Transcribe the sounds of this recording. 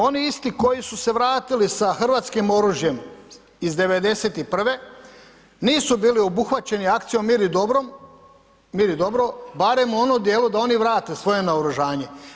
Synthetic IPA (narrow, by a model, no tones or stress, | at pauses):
o̞niist̪iko̞jisuse̞ʋɾaːt̪ilisaxr̩ʋaːt̪skimo̞ɾuʒje̞m | izd̪e̞ʋe̞d̪e̞se̞t̪ipr̩ʋe̞ | niːsubiːlio̞buxʋat͡ɕe̞niakt̪sijo̞miɾid̪obɾom | miːɾid̪o̞bɾo̞baɾe̞mo̞nod̪je̞ːlud̪ao̞niʋɾaːt̪e̞sʋo̞je̞naoɾuʒaːɲe̞